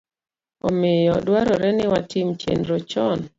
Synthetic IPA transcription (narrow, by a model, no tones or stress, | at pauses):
ɔ̰mɪjɔdwaɾɔɾɛnɪwatɪmt͡ʃḛnɾot͡ʃɔn